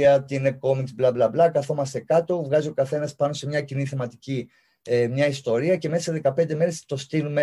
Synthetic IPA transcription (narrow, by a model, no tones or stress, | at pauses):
ɐt̪ineko̞miksblɐblɐblɐkɐθo̞mɐst̪e̞kɐt̪o̞vɣɐziokɐθe̞nɐspɐno̞se̞mɲɐciniθe̞mɐt̪ici | emɲɐist̪o̞ɾiɐce̞me̞sɐseðe̞kɐpend̪e̞me̞ɾe̞st̪o̞st̪inume